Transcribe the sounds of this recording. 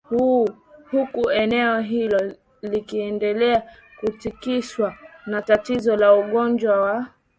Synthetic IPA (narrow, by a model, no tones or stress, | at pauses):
hu | hukuɛnɛɔɦilɔ | likiɛndɛlɛa | kutikiʃwanatatizɔlauɠɔnd͡ʒwawa